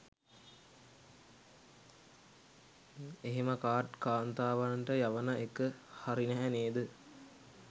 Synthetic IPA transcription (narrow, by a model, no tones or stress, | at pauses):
eɦeməkaːʈkaːnt̪aːʋaɳʈəjaʋənəekəhaɾinɛɦæneːd̪ə